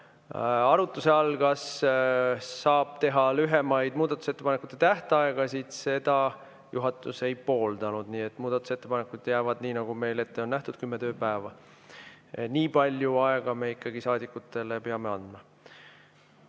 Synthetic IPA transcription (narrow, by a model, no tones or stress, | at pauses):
ɑɾut̪ːˑuse̞ɑlɡɑs | ɑːb̥̚t̪e̞ɦɑlyɦemɑjd̪̥muːd̪̥ɑt̪ːˑu̥se̞t̪ːe̞pɑne̞kˑu̥t̪ːˑet̪æht̪eɑeɡ̥ɑsid̪̥se̞d̪̥ɑ | juɦɑt̪ːˑuse̞jpo̞ːld̪ɑnud̪̥niːet̪ːmuːd̪ɑt̪ːˑu̥set̪ːˑepɑnekːˑud̪̥jæːvɑd̪̥niːnɑɡume̞jle̞t̪ːeo̞nnæht̪ud̪̥kymːet̪ø̞ːpæevɑ | niːpɑlʲjuɑe̞ɡ̥ɑme̞ikːˑɑɡ̥isɑːd̪ikːut̪ːˑe̞le̞peɑme̞ɑnd̪̥mɑ